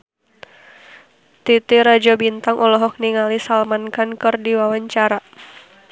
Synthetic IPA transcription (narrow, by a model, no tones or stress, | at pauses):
t̪it̪iɾad͡ʒɔbint̪aŋʔɔlɔɦɔk̚niŋalisalmankankɨrdiwawaɲt͡ʃaɾa